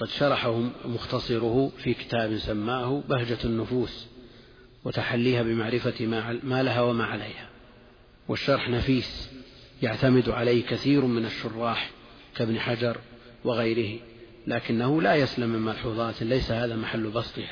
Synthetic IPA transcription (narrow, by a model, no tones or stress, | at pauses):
qɑd̪ʃɑɾˤɑħahʊmʊxt̪ɑsˤɨɾʊhʊfikɪ̥t̪aːbɪnsamːaːhʊbahd͡ʒaanːʊfuːs | wɪt̪aħalːiːhabɪmaʕɾɪfamaːlaɦawamaːʕalajha | wɪʃːɑɾˤħnafiːs | jaʕt̪amɪd̪ʕalaːhkaθiːɾmɪnaʃːʊrˤːɑːħ | kabnħad͡ʒɑɾˤ | wɪɣajɾɪhɪ | laːkɪnːahʊlajaslamːɪmmɑlħuːðˤɑːt̪lajsahaːðamaħalːbɑst̪ˤɨha